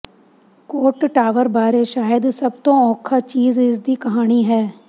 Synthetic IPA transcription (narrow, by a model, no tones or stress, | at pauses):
koːʈʈaːʋəɾbaːɾeʃaːjəd̪sɐbt̪õɔ̃ːkʰat͡ʃiːzɪs̬d̪ikɐɦaːñiɦɛː